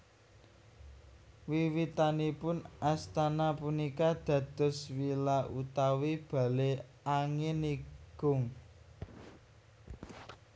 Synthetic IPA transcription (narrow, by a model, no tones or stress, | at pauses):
wiwit̪anipʊnast̪anapunikad̪̥ä̤d̪̥ʊ̤swilaʔut̪awib̥ä̤le | aŋɪniɡ̥ʊŋ